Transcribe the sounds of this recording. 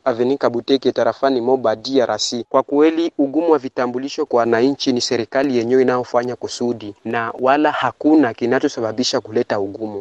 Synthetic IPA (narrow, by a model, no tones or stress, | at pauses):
avɛnikaɓutɛkɛtaɾafanimɔɓadiaɾʔasikwakwɛliuɡumuwavitambuliʃɔkwawanaɲt͡ʃinisɛɾikalijɛɲɛwɔinajɔfaɲakusuɗinawalahakunakinat͡ʃɔsaɓaɓiʃakulɛtauɡumu